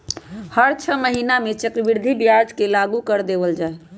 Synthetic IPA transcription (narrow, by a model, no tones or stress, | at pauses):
həɾt͡ʃʰəməɦinamet͡ʃəkɾbiɾd̪ʱibjaɾd͡ʒkelaɡukəɾd̪eʋəld͡ʒae